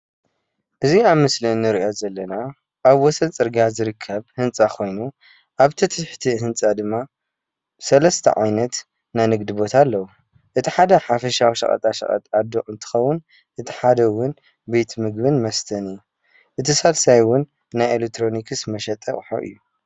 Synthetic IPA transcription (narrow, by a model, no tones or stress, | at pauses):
ʔɨziaβmɨsliɨnːɨɾiʔozɐlːɐna | ʔaβwɔsɐlt͡sʼɨɾɡazɨɾɨkʰːɐβhɨnt͡sʼakʰo̞jnu | ʔaβt̪ʰɐt̪ʰɨt̪ħt̪ʰihɨnt͡sʼad̪ɨmːa | sɐlɐst̪ʰɐ̰ʕa̰jnɐt̪ | najnɨɡd̪ɨbo̞t̪ʰalːɐwu | ʔɨt̪ʰiħad̪ɐħafɐʃawiʃɐ̰χʼɐ̰t̪ʼaʃɐ̰χʼɐ̰t̪ʼad̪oʔɨnt̪ʰɨ̥xɐwːʊn | ʔɨt̪ʰi̥ħad̪ɐwʊn | be̞t̪ʰmɨɡbɨnmɐst̪ʰɐnɨjːu | ʔɨt̪ʰisalsajwʊnː | ajelek̚t̪ʰɾo̞nikʰɨsmɐʃɐt̪ʼɐ̰ʔʼħo̰ʔɨ̰jːu